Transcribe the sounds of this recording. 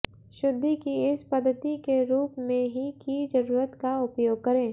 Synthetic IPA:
ʃʊd̪ʱːikiɪspɐd̪ʱːət̪ikeɾuːpmẽɦikid͡ʒɐɾuːɾət̪kaʊpjoːɡ̚kɐɾẽː

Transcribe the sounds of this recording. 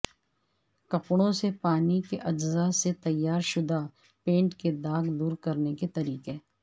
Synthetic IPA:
kɐpɽ̃õsepaːnikeʔɐd͡ʒzaset̪ɐjːaːɾʃʊd̪a | pẽːɳʈked̪aːɡd̪uːɾkɐɾneket̪ɐɾiːqe

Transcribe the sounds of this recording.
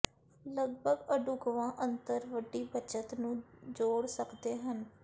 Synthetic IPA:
ləɡbəɡəɖʊkʋãːʔənt̪əɾʋəɖːiːbət͡ʃət̪nũːd͡ʒoːɽsəkd̪eːɦən

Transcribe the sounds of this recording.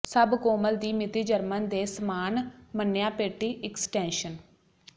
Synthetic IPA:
səbkoːməld̪iːmɪt̪iːd͡ʒəɾmənd̪eːsəmaːnmənːjaːpeːʈiːʔɪksʈɛ̃ːnʃən

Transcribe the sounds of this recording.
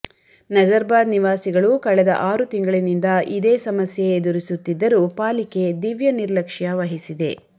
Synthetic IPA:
nɐd͡ʒɐɾbaːd̪niʋaːsiɡɐɭukɐɭɛd̪ɐ̰ʔaːɾut̪iŋɡɐɭinind̪ɐʔid̪eːsɐmɐsjeːd̪uɾisut̪ːid̪ːɐɾupaːlike̞d̪iʋjɐniɾlɐkʂjaʋɐɦisid̪e̞

